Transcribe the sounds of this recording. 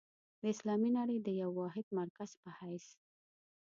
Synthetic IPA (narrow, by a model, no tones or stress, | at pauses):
d̪əɪslɑminaɽəjd̪əjawːɑɦɪd̪̚maɾkaz̥pəhajs